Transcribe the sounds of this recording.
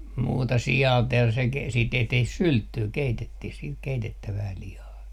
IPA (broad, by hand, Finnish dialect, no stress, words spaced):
muːtɑ siɑˑlt jɑ se ke siːt tehtih syltːyː keitetːih siːt keitetːæʋæː lihɑː